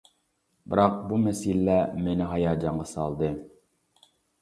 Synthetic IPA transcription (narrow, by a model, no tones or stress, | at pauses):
bɨɾɑq̚bumɛsillɛmenɪɦɑjɑːd͡ʒɑɴʁɑsɑ̰lˠd̪ɨ